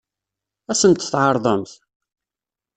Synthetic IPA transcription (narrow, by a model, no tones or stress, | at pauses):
æsənt̪θʕɑɾˤðˤəmθ